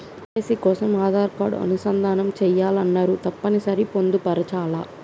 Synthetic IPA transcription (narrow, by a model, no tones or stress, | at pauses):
ɐːsikɔːsɐmaːd̪ʱaːɾpaːɽṵɐ̰nusɐnd̪ʱaːnɐmt͡ʃɛːjːaːlɐnːaːɾut̪ɐpːɐnisɐɾipo̞nd̪upɐɾɐt͡ʃaːlaː